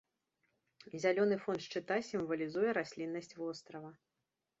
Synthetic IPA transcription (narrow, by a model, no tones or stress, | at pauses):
zʲalʲɔnɨfɔnʂt͡ʂɨt̪asʲimvɐlʲizujɛɾasʲlʲinːɐsʲt͡sʲvɔst̪ɾɐvɐ